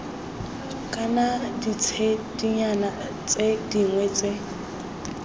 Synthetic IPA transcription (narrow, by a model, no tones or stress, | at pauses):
kʼanadit͡sʰed̥iɲana | t͡sʼediŋwɛt͡sʼe